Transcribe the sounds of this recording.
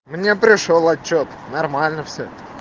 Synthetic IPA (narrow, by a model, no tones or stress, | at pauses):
mnʲe̞pɾʲɪʂolˠɐt͡ɕːot̪ | nɐrmalʲnəfsʲot̪ə